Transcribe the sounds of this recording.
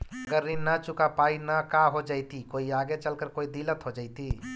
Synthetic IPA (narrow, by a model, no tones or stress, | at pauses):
əɡəɾːinat͡ʃʊkapaːinakaɦod͡ʒaːit̪ikoːiaːɡet͡ʃəlkəɾkoːid̪ilət̪ɦod͡ʒaːɪt̪i